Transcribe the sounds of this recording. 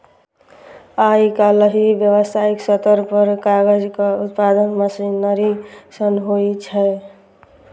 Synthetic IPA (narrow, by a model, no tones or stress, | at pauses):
ajkaləɦibjəwəsaiksət̪əɾpəɾkaɡəd͡ʒkeut̪pad̪ənmasinəɾisənɦoit͡ʃʰɛ